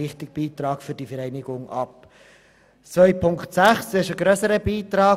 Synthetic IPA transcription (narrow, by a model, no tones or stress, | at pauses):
ɪχtɪɡ̚b̥iːt̪ɾɑːkfʏdifəɾɛɪnɪɡʊŋʔɑ̰p̚ | t͡sʋœʏpʰʊŋktsæχsɪʃəɡɾœsəɾəbiːt̪ɾɑː